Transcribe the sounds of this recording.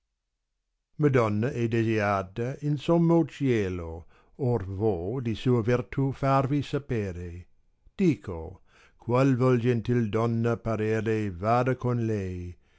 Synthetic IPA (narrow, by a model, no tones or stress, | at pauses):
məd̪ɔnːɐʔɛd̪eziaːt̪əinsɔmːot͡ʃjeːlo | orvod̪isuːəvirt̪ʰufarvisapeːɾe | d̪̥iːkʰo | kʰwalvɔld͡ʒɛnt̪ild̪ɔnːəpaɾeːɾevaːd̪akonlɛj